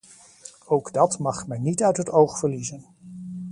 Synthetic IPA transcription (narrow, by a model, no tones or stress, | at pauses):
owɡdɑtmɑχmɛjnitœɥtɦətowχfəɹlizən